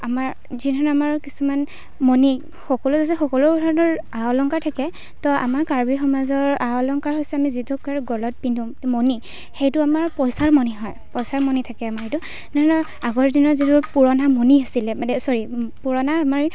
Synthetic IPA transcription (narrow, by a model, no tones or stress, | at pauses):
amaɹ | zidʱɔnamaɹkisuman | moni | xɔkɔluzas̬ɛxɔkɔludʱɔɹnɔɹaɔlɔŋkaɹtʰakɛ | tɔʔa̰maɹkaɹbixɔmazɔɹaɔlɔŋkaɹɦojsɛamizitukaɹɡɔlɔt̚pindʱũ | moni | xejtʊamaɹpɔjsaɹmɔniɦɔjpɔjsaɹmɔnitʰakɛamaɹɦejtu | dʱɔnɔ | aɡɔɹdinɔɹzituɹpuɹɔnamoniasilɛanɛsɔɹipuɹɔnaːmaɹ